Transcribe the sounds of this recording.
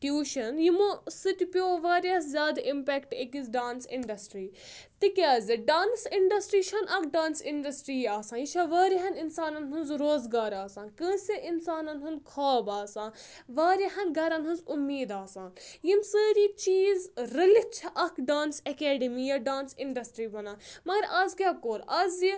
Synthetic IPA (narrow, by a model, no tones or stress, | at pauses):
ʈjuːʃɐnjimosɨt̪ʲipʲjoːʋaːɾʲɐszʲjaːd̪aʔimpɛːkʈekizɖaːnsɪ̰ɳɖɐsʈɾiː | t̪ikʲaːzʲiɖaːnsiɳɖɐsʈɾiːʃʰɐnʔɐkʰɖaːnsɪɳɖɐsʈɾiːaːsãːjit͡ʃʰɐʋaːɾiɦɐninsaːnɐnɦɨnzɾoːzɡaːɾaːsãːnkə̃ːsʲeʔinsaːnɐnɦɐnkʰaːbaːsãːn | ʋaːɾɐɦɐnɡʱɐɾɐnɦɨnzʊmːiːd̪aːsãːnjinsəːɾiːk̚t͡ʃiːzɾɐlit͡ʃʰɐʔɐkʰɖaːnsɐkeːɖimiːjɐɖaːnsɪɳɖɐsʈɾiːbɐnaːmɐɡɐɾɐzɡʲaːkoːɾɐzi